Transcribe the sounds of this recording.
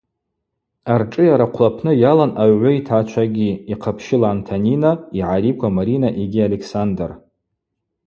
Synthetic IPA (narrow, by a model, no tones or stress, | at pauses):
arʈ͡ʂʼɨjaɾaqʷʰlapʰnɨjalanaɥʕʷʊitʰat͡ʃʷʰaɡʲiiqʰapʰʃɪlaːntʰaninaiʕaɾikʷʰamaɾinaʔeɡʲialekʰsandar